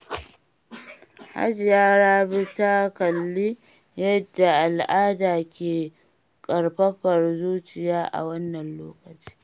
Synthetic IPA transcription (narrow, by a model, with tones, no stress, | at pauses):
ha̰˦d͡ʒɪ˨jaː˦ɾaː˦bɪ˦ta˦kɐ˨lːi˦ | jɐ˦dːa˨ʔa˨lʔaː˦daː˨kʲeː˨ | kʼɐ˨ɽɸɐ˦ɸɐ˨rzuː˦t͡ʃɪ˨jaː˦ʔa̰˨wɐ˦nːɐ˨nloː˦kɐ˨t͡ʃi̥ː˦